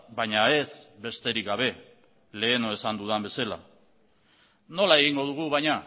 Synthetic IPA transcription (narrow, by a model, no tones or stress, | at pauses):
bajɲae̞zβe̞st̪e̞ɾikɡaβ̞e̞ | le̞ːno̞e̞sand̪uðambe̞sela̰ | no̞lae̞ɣiŋɡo̞ðuɣ̞uβajɲa